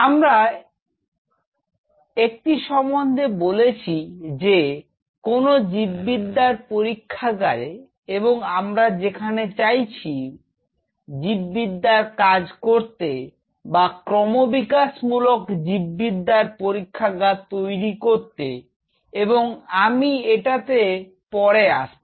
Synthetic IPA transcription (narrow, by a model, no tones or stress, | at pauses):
amɾa | ek̚ʈiʃɔmːond̪ʱebolet͡ɕʰid͡ʑe | konod͡ʑibːid̪ːaɾpoɾikʰːaɡaɾe | eboŋamɾad͡ʑekʰanet͡ɕajt͡ɕʰi | d͡ʑibːid̪ːaɾkad͡ʑkoɾt̪e | bakɾɔmobikaʃmulokd͡ʑibːid̪ːaɾpoɾikʰːaɡat̪ːojɾikoɾt̪ḛ | eboŋamieʈat̪e | pɔɾeaʃ